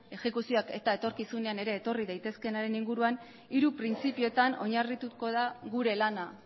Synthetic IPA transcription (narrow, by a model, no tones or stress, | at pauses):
e̞xe̞kusio̞ake̞̰t̪aet̪o̞ɾkisune̞ane̞ɾe̞ːt̪o̞riðajt̪e̞ske̞naɾe̞niŋɡuɾuan | iɾupɾint͡sipio̞t̪ano̞ɲarit̪uko̞ðaɣuɾe̞lana